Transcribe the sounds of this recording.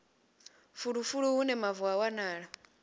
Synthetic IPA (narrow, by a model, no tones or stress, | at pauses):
fuɺufuɺuunɛmavuawanaːɺa